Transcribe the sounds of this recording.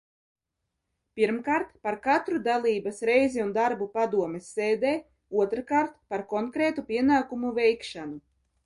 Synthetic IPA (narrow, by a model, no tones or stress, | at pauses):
piɾmkaːɾt̪paɾkat̪ɾud̪alˠiːbasɾɛjziund̪aɾbupad̪uɔmesːeːd̪eː | uɔt̪ɾɨkaɾt̪paɾkɔŋkɾeːt̪upʲiɛnaːkumuvɛjkʃanu